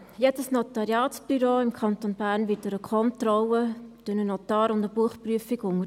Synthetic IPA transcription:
jɛt͡səsnɔt̪ɑɾjɑːsb̥yɾoːɪmkʰɑnt̪onbæːɾnvɪt̚dəɾəkʰɔnt̪rɔwət̪ønənot̪ɑːɾʊndəbuəχpryəfiɡʊŋə

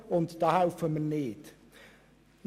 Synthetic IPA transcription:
ɔndd̥ahawfəmənːeːd̥ | n

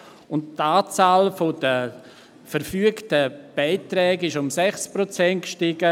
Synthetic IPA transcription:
ʊnttaːt͡saːlfod̥ə | fəɾfyəktəb̥aɪtɾɛːɡɪʃʊmsɛχsprot͡sɛnt̚kʃtɪɡə

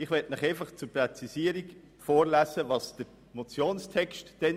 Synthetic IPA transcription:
ɪχʋɛtnɪχeɪfɑχt͡suɾprɛt͡sisiːəɾik | foːɾlæːsəvɑsd̥əɾ | mot͡sjoːnstʰɛkstd̥ɛn

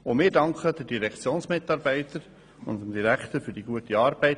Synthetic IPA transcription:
ʊmɪːɾdɑŋkʰəd̥ədiɾɛkt͡sjoːnsmɪtɑːɾbɛɪtəɾ | ʊ̰nəmd̥iɾækχt̪əɾfyɾdiɡuətiɑːɾb̥ɛɪt

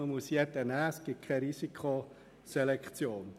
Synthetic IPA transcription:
əmusjɛdənæːsɡ̥ɪt̚kʰɛɾisikʰχo | selɛkχt͡sjoːn

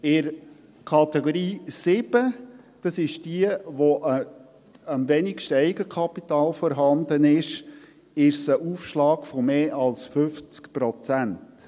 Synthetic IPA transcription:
ɪɾ | kʰɑtɛɡoɾiːsɪb̥ə | d̥ɑsɪʃd̥iəʋoʔə | əmvɛnɪkʃtɛɪɡəkʰɑpitɑːlfɔɾɦɑndənɪʃ | ɪʃsəʔuːfʃlɑːkfɔmeːʔɑlsfʏft͡skpɾɔt͡sænt

